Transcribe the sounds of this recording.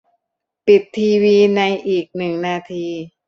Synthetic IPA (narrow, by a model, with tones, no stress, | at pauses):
pi˨˩t̪ʰːiː˧wiː˧na˧jʔiː˨˩k̚nɯ˨˩ŋnaː˧t̪ʰiː˧